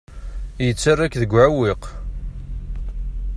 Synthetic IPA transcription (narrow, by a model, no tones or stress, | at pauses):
jət͡sːarːækðəɡʷːʕawiq